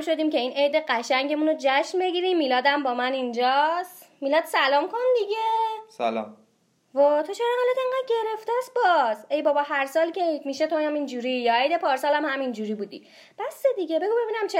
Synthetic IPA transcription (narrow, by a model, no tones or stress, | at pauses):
mʃo̞d̪iːmce̞iːnejd̪eɢæʃæɲɟe̞munod͡ʒæʃnbe̞ɡiɾimːiːlɒːd̪æmbɒːmænind͡ʒɒst̪miːlɒːd̪̥sælɒːmkʰond̪iɟesæ̰lɒ̰m | vɒt̪ʰot͡ʃʰeɾɑhɒːlæt̪eŋɡæːd̪̚ɟe̞ɾe̞ft̪æs̚bɒse̞jbɒːbɒɦæɾsɒːlcʲeejt̪miʃet̪ʰoæmind͡ʒuɾijɒejd̪epʰɒːɾsɒːlæmhæmind͡ʒuɾiːbuːd̪ḭ | b̥æsed̪iɡe̞be̞ɡube̞binæmt͡ʃʰe